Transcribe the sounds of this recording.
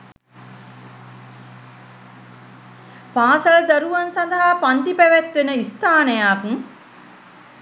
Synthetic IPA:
paːsəld̪ɐɾuʋansɐnd̪əɦapant̪ipæʋæt̪ʋenəist̪aːnəjaːkuŋ

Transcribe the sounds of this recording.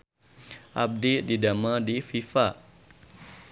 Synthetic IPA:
ʔa̰b̚dididamadififaʔ

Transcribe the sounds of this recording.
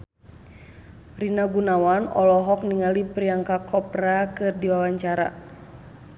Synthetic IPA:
rinaɡunawanɔ̰lɔɦɔk̚niŋalipɾiaŋkakʰɔp̚rakɨrdiwawaɲt͡ʃaɾa̰

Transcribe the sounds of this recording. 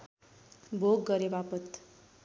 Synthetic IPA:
bʱoɡːʌɾebapʌt̪

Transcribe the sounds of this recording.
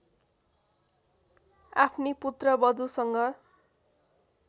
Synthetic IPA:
apʰniput̪rʌbʌd̪usʌŋɡʌ

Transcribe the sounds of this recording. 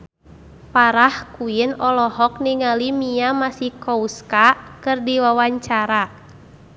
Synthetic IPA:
paɾahkuinɔlɔɦɔk̚niŋalimiamasihkɔuskakɨrdiwawaɲt͡ʃaɾa

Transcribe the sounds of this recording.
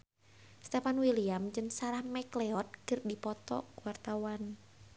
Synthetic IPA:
st̪ɛfanwiliamd͡ʒɨnsaɾahmɛklɛɔt̪̚kɨrdipɔt̪ɔ̰kuwart̪awan

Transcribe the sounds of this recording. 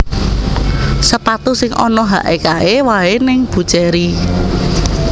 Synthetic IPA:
səpat̪usɪŋʔɔ̰nɔɦa̰ʔekaewaenɪŋb̥ṳt͡ʃɛɾi

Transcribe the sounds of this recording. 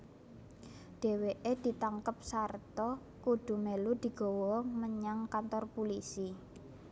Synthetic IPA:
ɖ̥e̤weʔed̪̥i̤t̪aŋkəp̚sart̪ɔ | kuɖ̥ṳmelud̪̥i̤ɡ̥ɔ̤wɔməɲaŋkant̪ɔrpulisi

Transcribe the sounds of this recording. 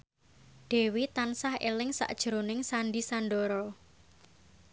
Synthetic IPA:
ɖ̥e̤wit̪ansahḛlɪŋsa̰ʔd̥ʒ̥əɾonɪŋsanɖisanɖoɾɔ

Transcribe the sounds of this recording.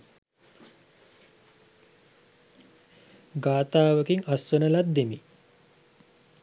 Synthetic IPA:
ɡaːt̪aːʋəkiŋasʋənəlat̪̚d̪emi

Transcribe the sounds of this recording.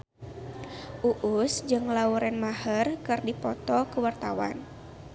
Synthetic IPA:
ʔuʔʊsd͡ʒɨŋlauɾɛnmahərkɨrdipɔt̪ɔkəwart̪awa̰n

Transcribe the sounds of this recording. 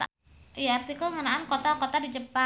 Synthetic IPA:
a | ijaart̪ikʊlŋənaankot̪akot̪adid͡ʒəpa

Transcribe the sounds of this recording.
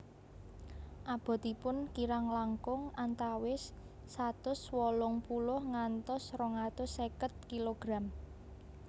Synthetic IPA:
ʔab̥ɔ̤t̪ipʊnkiɾaŋlaŋkʊŋant̪awɪsː | at̪ʊswɔlʊŋpulʊhŋant̪ɔsrɔŋat̪ʊsekət̪̚kiloɡ̥ɾam

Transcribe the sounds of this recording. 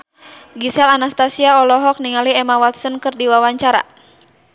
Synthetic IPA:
ɡisɛlanast̪asiaɔlɔɦɔk̚niŋaliɛmawat̪sənkɨrdiwawaɲt͡ʃaɾa̰

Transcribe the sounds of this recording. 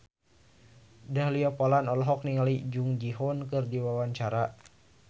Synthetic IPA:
dahliɔpɔlanɔlɔɦɔk̚niŋalid͡ʒuŋd͡ʒiɦɔnkɨrdiwawaɲt͡ʃaɾa

